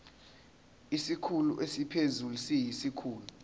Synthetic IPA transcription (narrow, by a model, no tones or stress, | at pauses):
isikʰulṵʔesipʰezulusijisikʰuːlu